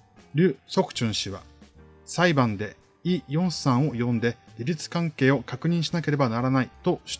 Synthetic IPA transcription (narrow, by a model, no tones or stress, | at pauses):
ɾʲɯ̟ːso̞kɯ̟̥t͡ɕɨ̃ɰ̃ɕiβa̰ | saibãnd̪e̞ | ijõ̞ɰ̃sãɰ̃o̞jõ̞nd̪e̞ɾʲiɾʲit͡sɨ̥kãŋke̞ːo̞kakɯ̟ɲ̟ĩɰ̃ɕinake̞ɾe̞banaɾanait̪o̞ɕi̥